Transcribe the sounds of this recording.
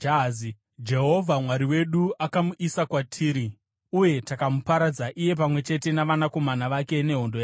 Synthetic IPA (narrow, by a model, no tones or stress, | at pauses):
d͡ʒazi | d͡ʒe̞ɦo̞vʱamwaɾiwe̞ɗuʔakamuʔisakwatʰiːɾi | uje̞takamupaɾad͡zaʔije̞p̬amwe̞t͡ʃe̞te̞naʋanako̞manaʋake̞ne̞ɦondojaː